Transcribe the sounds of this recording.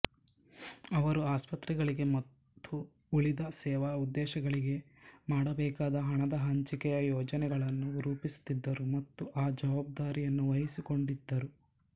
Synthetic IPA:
ɐʋɐɾuaːspɐt̪ɾiɡɐɭiɡe̞mɐt̪ʰːu | uɭid̪ɐsɛːʋaud̪ːɛːʃɐɡɐɭiɡe̞ | maːɽɐbɛːkaːd̪ɐɦɐɳɐd̪ɐɦɐɲt͡ʃikɛjɐjɔːd͡ʒɐnɛɡɐɭɐnːuɾuːpisu̥t̪id̪ːɐɾumɐt̪ːuʔaːd͡ʒɐʋaːb̚d̪aːɾijɐnːuʋɐɦisiko̞ɳɖid̪ːɐɾu

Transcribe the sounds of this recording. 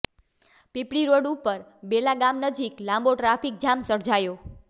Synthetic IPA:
pipɽiɾoɽupəɾbelaɡamnəd͡ʒiklãmboʈɾapʰik̚d͡ʒamsəɾd͡ʒajo

